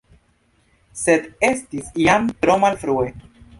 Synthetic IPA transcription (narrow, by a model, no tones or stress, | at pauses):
sed̪e̞stisiamt̪ɾo̞malfɾue